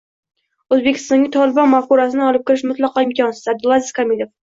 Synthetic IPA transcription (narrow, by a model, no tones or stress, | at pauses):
ɵzbekʲʰɪ̥st̪ɒŋɡʲɪt̪ʰɒlˠɪbɒnmafkuɾas̬ɪnɪɒlˠɪp̚kʲɪɾɪʃmʊt̪lˠɑqɑɪmkʲʰɒnsɪ̥zab̚d̪ɪlˠazɪzkʰamilʲef